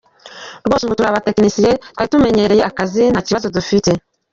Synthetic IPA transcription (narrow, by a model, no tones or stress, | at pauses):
ɾɡoːsuβutuɾaβate̞knisijetkaɾitume̞ɲe̞ɾe̞je̞ʔakazinaciβazo̞dufite̞